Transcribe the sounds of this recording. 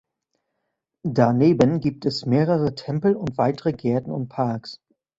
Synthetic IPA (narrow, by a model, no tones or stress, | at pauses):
daneːbənɡiːp̚tɛsmeːʁəʁətʰɛmpl̩ʊntv̥aɪtəʁəɡɛɐtn̩ʊ̰nt̚pʰaɐks